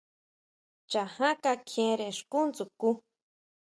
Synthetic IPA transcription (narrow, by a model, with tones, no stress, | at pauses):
t͡ʃa˨hã˦ka˧kʰẽ˧ɾe˨ʂku˦nt͡su˨ku˦